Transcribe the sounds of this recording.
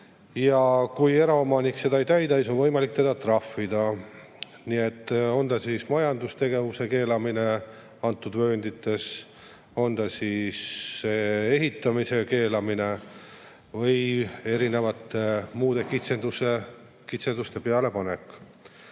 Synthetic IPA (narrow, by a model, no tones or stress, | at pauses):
jɑkuje̞ɾɑomɑnikse̞d̪̥ɑejt̪æjd̪ɑsiso̞nvɤjmɑlik̚t̪e̞d̪̥ɑt̪rɑfːid̪̥ɑ | niet̪ːˑo̞nd̪ɑsismɑjɑnd̪ust̪e̞ɡe̞vuse̞ke̞ːlɑmine̞ | ɑnt̪ːˑud̪vø̞ːnd̪it̪ːˑe̞s | o̞nd̪̥ɑsisːee̞ɦit̪ːˑɑmise̞ke̞ːlɑmine̞ | vɤje̞ɾine̞vɑt̪ːemuːd̪̥e̞kit̪send̪̥use | kit̪send̪ust̪e̞peɑle̞pɑne̞kː